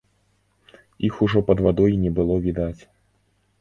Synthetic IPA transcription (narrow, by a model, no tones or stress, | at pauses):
ixuʐɔpɐd̪vad̪ɔjinʲɛbɨlˠɔvʲid̪at͡sʲ